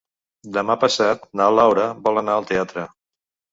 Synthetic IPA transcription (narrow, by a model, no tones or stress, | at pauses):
d̪əmapəsat̪naəlawɾəbɔlˠənaəlˠt̪eat̪ɾə